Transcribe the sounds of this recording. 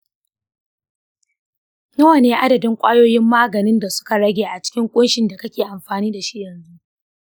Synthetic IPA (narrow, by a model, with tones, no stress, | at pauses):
nɐ˦wa˨neː˦ʔa˦dɐ˨dɪ˦ŋkʷʼaː˦joː˦jɪ˦mːaː˦ɡɐ˨nɪ˦nda˨sʊ̥˦ka˨ɽɐ˦ɡʲeː˨ʔa˨t͡ʃɪ̥˦kʲɪ˦ŋkʷʼʊ˦nʃɪ˨nda˨kɐ˦kʲeː˨ʔa˨mɸaː˨niː˦da˨ʃi˦jɛ˨nzu˦